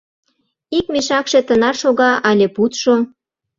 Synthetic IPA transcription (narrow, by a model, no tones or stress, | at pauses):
ikmiʃɑkʃet̪ənɑrʃoɣɑʔɑlʲeput̪ʃo